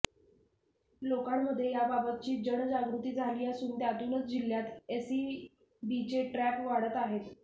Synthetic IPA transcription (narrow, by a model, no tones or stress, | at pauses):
lokamːəd̪ʱːjejababət̪̚t͡ɕiːd͡ʑəɳ̃d͡ʑaɡɾut̪iːd͡zʱaliːjasuːnt̪jat̪ulət͡sd͡ʑiljat̪esi | bit͡ɕeʈɾæpʋaɽət̪aɦet̪